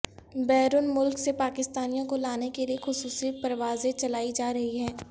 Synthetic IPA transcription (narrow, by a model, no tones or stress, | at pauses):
bɛːɾʊnmʊlksepaːkɪst̪aːnijõkolaːnekeliexʊsuːsipɐɾʋaːzẽt͡ʃɐlaːid͡ʒaːɾɐɦiɦɛː